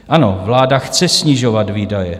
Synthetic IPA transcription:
ʔano̞vlaːdaxt͡sɛsɲiʒovat̪viːdajɛ

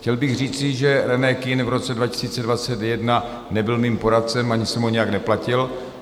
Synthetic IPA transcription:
xcɛlbɪɣr̝iːt͡sɪʒɛɾɛnɛkɪnvɾo̞t͡sɛdvacɪ̥siːt͡sɛdvat͡sɛt̪jɛdna | nɛbɪlmiːmpo̞ɾat̪̚t͡sɛmʔaɲɪsɛmoɲɛjaknɛplacɪl

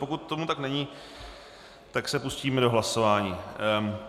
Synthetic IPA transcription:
pokut̪ːo̞mut̪aknɛɲi | t̪aksɛpusciːmɛdo̞ɦlaso̞vaːɲiː

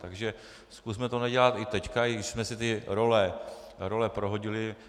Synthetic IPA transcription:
t̪aɡʒɛ | skusmɛt̪onaɟɛlat̪ɪt̪ɛckaɪɡɪʃsmɛsɪt̪ɪɾo̞lɛ | ɾolɛpɾoɦoɟɪlɪ

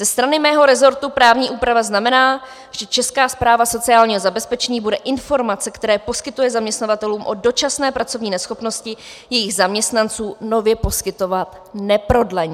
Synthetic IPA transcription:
zɛst̪ɾanɪmɛːɦo̞ɾɛzo̞ɾt̪upɾaːvɲiːʔuːpɾavaznamɛnaː | ʒ̥ɛt͡ʃɛskaːspɾaːvaso̞t͡sɪaːlɲiːɦozabɛspɛt͡ʃɛɲiːbudɛʔɪnfo̞ɾmat͡sɛkt̪ɛɾɛːpo̞skɪt̪ujɛzamɲɛst̪navat̪ɛluːmʔo̞do̞t͡ʃasnɛːpɾat͡so̞vɲiːnɛsxo̞pno̞scɪ | jɛjɪɣzamɲɛst̪nant͡suːno̞vjɛpo̞skɪt̪o̞vat̪ | nɛpɾo̞dlɛɲ

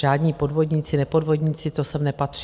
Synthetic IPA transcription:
ʒaːdɲiːpo̞dvo̞dɲit͡sɪnɛpo̞dvo̞dɲɪt͡sɪt̪osɛmnɛpat̪r̥i

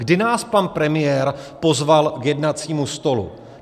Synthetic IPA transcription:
ɡdɪnaːspanpɾɛmɪjɛɾpo̞zvalkjɛdnat͡siːmust̪o̞lṵ

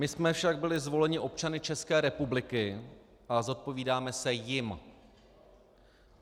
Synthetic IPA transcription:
mɪsmɛfʃaɡ̚bɪlɪzvo̞lɛɲɪʔo̞pt͡ʃanɪt͡ʃɛskɛːɾɛpublɪkɪ | ʔazo̞t̪̚po̞viːdaːmɛsɛjɪm

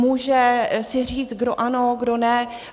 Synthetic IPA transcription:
muːʒɛsɪr̝iːt͡st̪̚ɡdoʔanoɡdonɛ

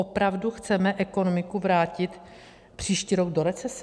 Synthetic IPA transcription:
opɾavduxt͡sɛmɛʔɛko̞no̞mɪkuvɾaːcɪt̪ | pr̝̥iːʃciːɾoɡ̚do̞ɾɛt͡sɛs

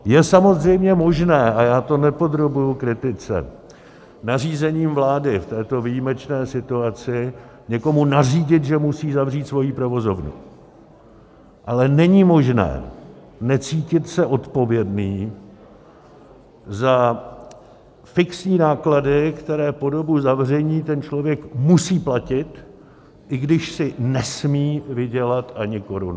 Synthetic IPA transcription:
jɛsamo̞zr̝ɛjmɲɛmo̞ʒnɛːʔajaːt̪o̞nɛpo̞d̪ɾo̞bujukɾɪt̪ɪt͡sɛ̰ | nar̝iːzɛɲiːmvlaːdɪft̪ɛːt̪o̞vijimɛt͡ʃnɛːsɪt̪uat͡sɪ | ɲɛko̞munar̝iːɟɪt̪ʒɛmusiːzavr̝iːt̪svo̞jiːpɾo̞vo̞zo̞vnṵ | ʔalɛnɛɲimo̞ʒnɛ̰ː | nɛt͡siːcɪt̪sɛʔo̞t̪po̞vjɛdniː | za | fɪksɲiːnaːkladɪkt̪ɛɾɛːpo̞do̞buzavr̝ɛɲiːt̪ɛnt͡ʃlo̞vjɛkmusiːplacɪt̪ | ʔɪɡdɪʃsɪnɛsmiːvɪɟɛlat̪ʔaɲɪko̞ɾun

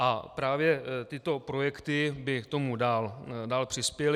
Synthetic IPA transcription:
ʔapɾaːvjɛt̪ɪt̪o̞pɾo̞jɛkt̪ɪbɪkt̪o̞mudaːldaːlpr̥ɪspjɛl

